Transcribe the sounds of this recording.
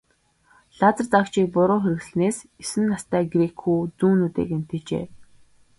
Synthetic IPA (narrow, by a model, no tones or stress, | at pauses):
ɮat͡sə̆rt͡sakt͡ɕʰiːk̚pʊɾʊːxeɾɘ̆ɣsɮneːsesɘ̆nːast̪æːɡrekʰuːt͡suːnut̪ḛːken̥t̪ɘ̆t͡ɕḛː